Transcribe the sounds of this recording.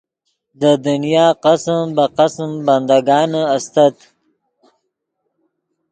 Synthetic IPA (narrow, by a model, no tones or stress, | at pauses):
d̪əd̪unijɑːqasmbaqasmband̪aɡɑːnəast̪at̪